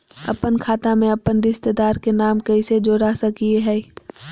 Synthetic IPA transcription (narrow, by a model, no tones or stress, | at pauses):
ɐ̰pənkʰaːt̪amẽɐpːənɾɪst̪ed̪aːɾkenaːmkɐised͡ʒoːɾasɐkieɦɛː